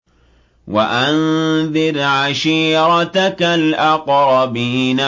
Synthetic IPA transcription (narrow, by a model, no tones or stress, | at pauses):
waʔanðɪɾʕaʃiːɾˤɑt̪akalʔɑqɾˤɑbiːna